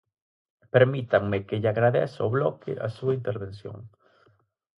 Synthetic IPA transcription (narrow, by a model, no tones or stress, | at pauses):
peɾmit̪aŋmekeʎaɣɾaðḛsaoβlɔkɪ̰ʔa̰suaint̪eɾβensjo̰ŋ